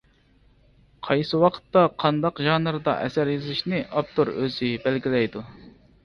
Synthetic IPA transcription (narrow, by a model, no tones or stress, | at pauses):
qʰɑjsɨwɑqʰə̥t̪ːɑqʰɑnd̪ɑqʒɑːnɨɾɨd̪ɑ̰ʔɛ̰sæɾjyzɪʃnɪʔɑp̚t̪oɾø̰zɪbælɡʲilɛjd̪u